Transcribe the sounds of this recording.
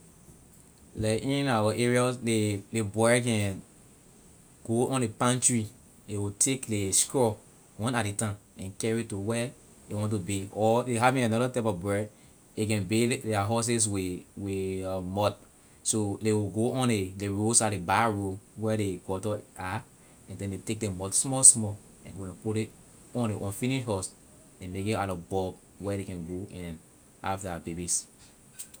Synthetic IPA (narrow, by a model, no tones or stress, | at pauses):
lɛʔĩnawaʔɛɹiaslelebɔkɛ̃ | ɡ̥oʔɔ̃nlepãnt͡ʃɹi | dewitʰekleskɹɔ | wɔ̃nadetãnɛ̃nkɛɹituwɛ | dewɔ̃nt̬ubeɔdeɦavĩŋãnɔɾatapɔbɔ | ek̬ɛ̃nbedɛaɦɔs̬es̬wiwimɔt̚ | sodewiɡoɔ̃nedeɹosadebaɹuwɛdekɔtɔa | ɛ̃ndɛ̃ndetek̚demɔtsmɔlsmɔ | ɛ̃nɡokɛ̃npule | ɔ̃nleʔɔ̃nfĩniʃɦɔs | ɛ̃nleketaɾɔfbɔb | wɛɾekɛ̃nɡoɛ̃n | ha̰vdɛbebis